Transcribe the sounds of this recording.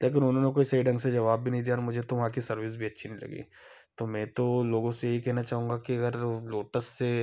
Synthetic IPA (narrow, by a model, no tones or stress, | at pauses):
leːk̬ɪnʊnɦõnekoːisɐiɖɐ̃ŋɡsed͡ʒɐʋaːbbʱinɐɦĩd̪iːjaɔːɾmʊd͡ʒʱet̪oʋɐɦãkisɐɾʋiːs̬bʱiɐtːʃʰinĩlɐ̰ɡḭː | t̪omɛ̃ːt̪oloːɡõsejeɦikɛɦnat͡ʃaːɦũːŋɡakiɐɡəɾloːʈəsːe